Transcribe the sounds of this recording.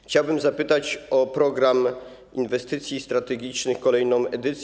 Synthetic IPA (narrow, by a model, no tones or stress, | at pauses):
xt͡ɕawbɘmzapɘt̪at͡ɕɔpɾɔɡɾam | invɛst̪ɘt̪sʲjist̪ɾat̪ɛɡʲit͡ʂnɘxkɔlɛjnɔ̃w̃ɛd̪ɘt̪sʲ